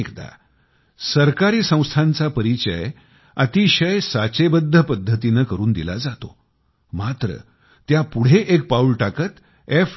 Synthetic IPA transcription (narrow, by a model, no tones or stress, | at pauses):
kd̪a̰ | səɾkaɾiːsə̃w̃st̪ʰant͡sapəɾit͡ɕəj | ət̪iɕəjsat͡ɕebəd̪ʱːəpəd̪ʱːət̪inəkəɾuːnd̪ila̰d͡zat̪o̰ | mat̪ɾə̰ | t̪japuɽ̤eʔek̚paulʈakət̪ | ef